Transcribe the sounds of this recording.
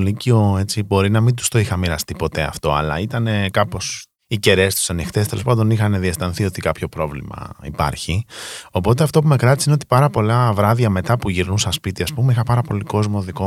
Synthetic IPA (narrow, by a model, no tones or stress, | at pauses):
licio̞e̞t͡sibo̞ɾinɐmind̪u̥st̪o̞ixɐmiɾɐst̪ipo̞t̪e̞ɐ̰ft̪o̞ɐ̰lɐ̰it̪ɐne̞kɐpo̞s | ice̞ɾe̞st̪u̥sɐnixt̪e̞st̪e̞lo̞spɐnd̪o̞nixɐneðiest̪ɐnθio̞t̪ikɐpço̞pɾo̞vlḭmɐ̰ḭpɐ̰ɾçio̞pot̪e̞ɐft̪o̞p̬ume̞kɾɐt̪isinot̪i̥pɐɾɐpo̞lɐvɾɐðɐme̞t̪ɐpuʝiɾnusɐspit̪iɐspumeixɐpɐɾɐpo̞liko̞zmo̞ðiko̞